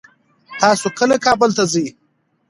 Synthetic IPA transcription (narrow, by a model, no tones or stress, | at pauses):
t̪ɑːsokəlakɑːbəlt̪azi